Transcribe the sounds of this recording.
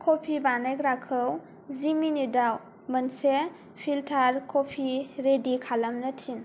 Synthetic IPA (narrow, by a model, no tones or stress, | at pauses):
kʰopʰibanekɾakʰəw | ziminidaw | mənse | pʰiltʰaɾkʰopʰiɾedikʰalamnɐtʰin